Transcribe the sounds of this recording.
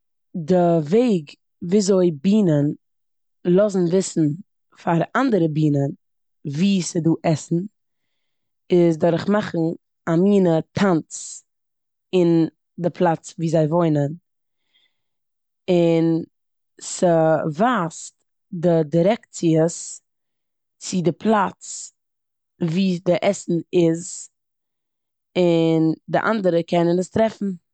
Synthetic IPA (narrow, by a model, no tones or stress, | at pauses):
dɪveɪɡ | viːzoɪbiːnən | lˠɔzn̩vɪsn̩ | faɾandəɾəbiːnən | viːsəduːʔɛsn̩ | ɪs̬dɔɾɪχmaχn̩ | amiːnətʰant͡s | ɪn | dɪpʰlˠat͡sviːzaɪvoɪnən | ɪn | səvaːst | dɪdiɾɛkt͡siəs | t͡sɪdɪpʰlˠat͡s | viːdɪʔɛsn̩ɪz | ɪndɪʔa̰ndəɾəkɛnənəstɾɛfn̩